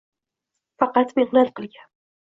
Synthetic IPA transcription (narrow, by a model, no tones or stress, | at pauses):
fɑqɑt̪mehnat̪qɨlˠɡʲan